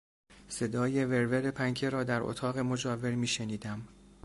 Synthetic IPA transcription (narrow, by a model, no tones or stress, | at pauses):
se̞d̪ɒːje̞ve̞ɾveɾepʰæŋkʰeɾɒːd̪æɾʔo̰t̪ʰɒːɣe̞mo̞d͡ʒɒːve̞ɾmiːʃeniːd̪æm